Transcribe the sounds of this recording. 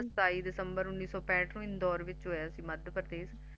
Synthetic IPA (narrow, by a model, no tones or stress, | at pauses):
əst̪aːiːd̪ɪsəmbəɾʊnːiːsɔːpɛ̃ːʈnũːɪnd̪ɔːɾʋɪt͡ʃɦoːaːsĩːməd̪pəɾt̪eːs